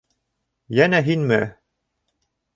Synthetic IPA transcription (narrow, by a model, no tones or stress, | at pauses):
jænæɦinmɘ